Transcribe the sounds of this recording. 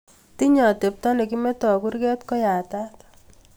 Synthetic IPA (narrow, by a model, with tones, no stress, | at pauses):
ti˦ɲɔ˨te˨p̚ta˦ne˨ki˦mɛ˦tɔ˨ku˦ɾkɛ˦tkɔ˦ja˨ta˦t